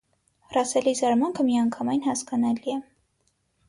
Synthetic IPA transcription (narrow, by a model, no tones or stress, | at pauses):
rɑsɛlizɑɾmɑŋkʰəmiɑŋkʰɑmɑjnhɑskɑnɑliɛ